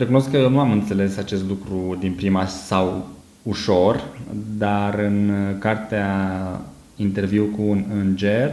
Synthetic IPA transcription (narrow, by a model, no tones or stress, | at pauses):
rekuno̞skːəje̞wnuamɨnt̪se̞le̞sat͡ʃe̞st̪lukɾud̪inpɾimasaw | uʃo̞rd̪arɨnkart̪ea | int̪e̞rviwkuːnɨnd͡ʒe̞r